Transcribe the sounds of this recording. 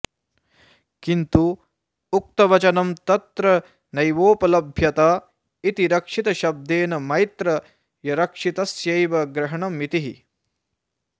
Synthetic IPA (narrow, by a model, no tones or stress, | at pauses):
kint̪uː | k̚t̪ɐʋɐt͡ʃɐnɐmt̪ɐt̪ɾɐ | nɐjʋoːpɐlɐbʱjɐt̪aː | it̪iɾɐkʂit̪ɐʃɐb̚d̪eːnɐmɐjt̪ɾɐ | jɐɾɐkʂit̪ɐsjɐjʋɐɡɾɐɦɐɳɐmit̪iɦḭ